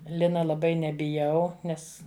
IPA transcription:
ˈlʲɪnɐ lˠɐˈbɐɪ nʲɛbʲɪˈjɛʊ ˈnʲɛs

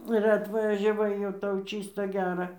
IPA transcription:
ɪr ɐtʋɐʒʲɛˈʋɐɪ jɛʊ ˈtɐʊ ˈt͡ʃʲiːstɐ ˈɡʲæːrɐ

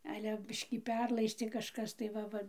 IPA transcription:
ˈɑːlʲɛ ˈbʲɪʃʲkʲiː ˈpʲɛrlˠɐɪsʲtʲeː kɐʃˈkɐs tɐɪ ˈʋɐ ˈʋɐ

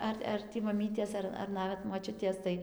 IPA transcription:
ˈɐr ɐr ˈtʲiː mɐˈmʲiːtʲeːs ˈɐr ɐr ˈnɑːʋʲɛt moːˈt͡ʃʲʊtʲeːs tɐɪ

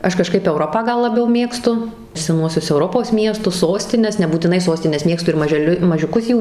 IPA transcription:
ˈɐʃ kɐˈʃkɐɪp ɛʊˈroːpɑː ˈɡɐlˠ lˠɐˈbʲɛʊ ˈmʲeːkstʊ sʲɛˈnuɔsʲʊs ɛʊˈroːpoːs ˈmʲiɛstʊs ˈsoːsʲtʲɪnʲɛs nʲɛbuːtʲɪˈnɐɪ ˈsoːsʲtʲɪnʲɛs ˈmʲeːkstʊ ɪr mɐʒʲɛˈlʲʊ mɐʒʲʊˈkʊs ˈjuː

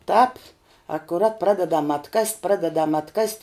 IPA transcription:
ˈtɑːp ɐkʊˈrɐt ˈprɑːdʲɛdɐm ɐtˈkɐsʲtʲ ˈprɑːdʲɛdɐm ɐtˈkɐsʲtʲ

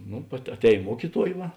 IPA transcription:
ˈnʊ ɐˈtʲɛːj ˈmuɔkʲɪˌtuɔj ˈʋɐ

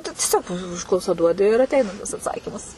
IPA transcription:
tʊ tʲiɛˈsʲoːk ˈʊʃklˠɐʊsɐ ˈduɔdʲɪ ɪr ɐtʲˈɛɪnɐ tɐs ɐtˈsɑːkʲiːmɐs

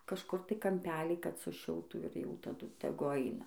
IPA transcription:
kɐʃˈkʊr tɐɪ kɐmʲˈpʲæːlʲiː kɐt sʊˈʃʲɪlˠtuː ɪr jɛʊ tɐˈdʊ tʲɛˈɡʊ ˈɐɪnɐ

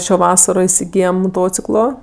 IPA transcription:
ˈʃʲoː ˈʋɑːsɐroː ɪsʲɪˈɡʲiːjɛm moːˈtoːt͡sʲɪklˠoː

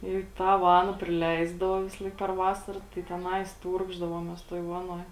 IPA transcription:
iː ˈtɑː ˈʋɑːnɐ pʲrʲɪˈlʲɛɪzdɐʋoː ˈʋʲɪsɐlˠɐɪk pʲɛr ˈʋɑːsɐrɐ tɐɪ tʲɛˈnɐɪs ˈtuːrɡʒdɐʋoːmʲeːs tuɔj ˈʋɑːnuɔj

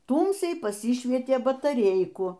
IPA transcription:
ˈtuːmʲsʲɛɪ pɐˈsʲɪʃʲʋʲiɛtʲeː bɐtɐˈrʲɛɪkʊ

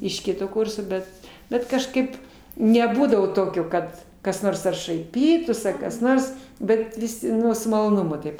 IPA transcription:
ɪʃ ˈkʲɪtoː ˈkʊrsoː ˈbʲɛt ˈbʲɛt kɐʃˈkɐɪp nʲɛˈbuːdɐʋoː ˈtoːkʲoː ˈkɐt kɐs ˈnoːrs ɐr ʃɐɪˈpʲiːtuːs ɐr kɐs ˈnoːrs ˈbʲɛt ʋʲɪˈsʲɪ ˈnʊ sʊ mɐlˠoːˈnʊmʊ ˈtɐɪp

